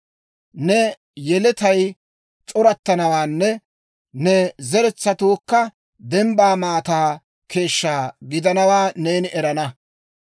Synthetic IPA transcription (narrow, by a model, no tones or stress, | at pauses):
nɛ | jɛlɛt̪ɐj | t͡sʼɔɾɐt̪ːɐnɐwaːnːɛ | nɛzɛɾɛt͡sːɐt̪oːkːɐ | d̪ɛmbaːmaːt̪aː | kʰe̞ːʃːaːɡɪd̪ɐnɐwaːneːnɪʔɛɾɐnɐ